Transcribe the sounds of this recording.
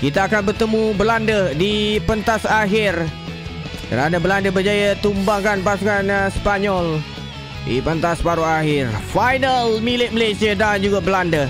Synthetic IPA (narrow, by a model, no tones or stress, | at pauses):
kit̪aːkanbərt̪əmũbəlandədipənt̪asaɦɪr | kə̰ɾanə̃bəlandəbəd͡ʒajat̪umbaŋkanpasuŋanspaɲɔl | dḭpənt̪aspaɾoaɦɪrfajnəlmilɪt̪̚məlasiadand͡ʒuɡabəlandə